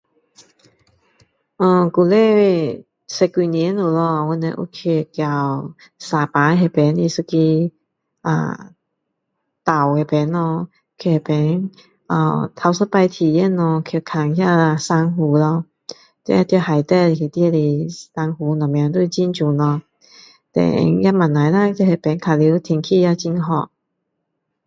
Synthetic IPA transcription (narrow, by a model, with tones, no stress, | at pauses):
ʔɔ˧˩ku˨˩lɛ˥˧ | sɛ˧kwi˧ni˨˦nlo˨˩lɔ˧˨wɔ˧nɛ̰˧ʔo̰˧˦kʰe˧˩˨kja˨˩w | saː˨˩paː˨˦ɦɛ˧˩pɛ˨˦ni˧˩sɨ˧ki˧ | ʔa̰˧˩ | t̪a˨˩whɛ˨˩pɛ˨˦nlɔ˧ | kʰi˧˩he˨˩pɛ˨˦n | a̰˧˩t̪ʰa˧˩wsə˧˥pa˧jt̪ʰi˨˩jɛ˥˧nɔ˧kʰi˧˩kʰa˨˩ŋhja˥˧a˧sa˧ŋɦu˨˧˦lɔ˧ | t̪ɛ˧˦ja˧˩t̪i˧ha˨˩jt̪ɛ˥˧˩ki˨˩t̪i˧li˧˩sa˧ŋhu˨˧˦nɔ˨˩mja˨˧˦ŋt̪u˥˧t͡ɕi˥˩nt͡ɕu˨˩nlɔ˧ | t̪ɛ̰˨˩˧ŋja˥ma˨˩nːa˨jla˧t̪i˧he˨˩pɛ˨˦nkʰa˧˨˩li˧˦wt̪ʰi˧˩ŋkʰi˥˧ja˥˧t͡ɕi˧nɦɔ˨˧˩ʔ̚